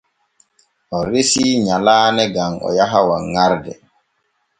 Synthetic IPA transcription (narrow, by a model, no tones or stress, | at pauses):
ʔɔɾesiːɲalaːnɛɡaŋɔ̰jaɦawaŋaɾdɛ̰